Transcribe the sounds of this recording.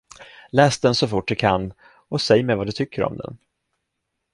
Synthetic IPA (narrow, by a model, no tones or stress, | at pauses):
lɛːsd̪ɛnsɔfʊʈːd̪ɛkʰanː | ɔsɛjːmɛjvad̪ɵt̪ʰʏkːəɾɔ̰md̪ɛ̰n